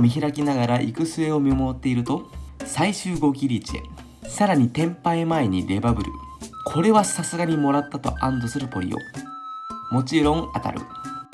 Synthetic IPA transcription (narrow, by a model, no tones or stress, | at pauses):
mʲiçiɾakʲinaɡaɾaʔikɯ̟sɨe̞o̞mʲimo̞ːt̪ːe̞iɾɯ̟t̪o̞saiɕɨːɡo̞ɡʲiɾʲit͡ɕiḛ | saɾaɲ̟it̪ẽ̞mpaemae̞ɲ̟iɾe̞babɯ̟ɾɯ̟̰kʰo̞ɾe̞βasasɨɡaɲ̟imo̞ɾat̪ːat̪o̞̰ʔãnd̪o̞sɨɾɯ̟po̞ɾʲḭo̞̰ | mo̞t͡ɕiɾõ̞ŋat̪a̰ɾɯ̟̰